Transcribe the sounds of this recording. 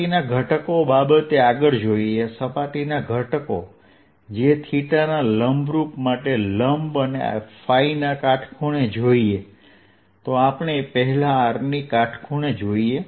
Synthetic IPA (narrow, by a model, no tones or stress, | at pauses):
inaɡʱəʈəkobabət̪eaɡəɭd͡ʒoiesəpaʈinaɡʱəʈko | d͡ʒet̪ʰiʈanaləmbɾupmaʈeləmbənea̰fainakaʈʰkʰuɽ̃ed͡ʒoie | t̪oapəɳ̃epəɦɛlaːɾnikaʈʰkʰuɽ̃ed͡ʒoie